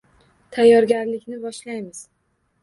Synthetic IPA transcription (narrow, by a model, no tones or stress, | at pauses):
t̪ʰajːɒɾɡʲaɾlɪkʲnɪbɒʃlajmɪz̥